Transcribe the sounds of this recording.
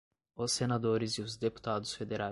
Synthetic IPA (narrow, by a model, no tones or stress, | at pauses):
ʊsenad̪oɾɪzɪʊzd̪epu̥t̪ad̪ʊsfed̪eɾa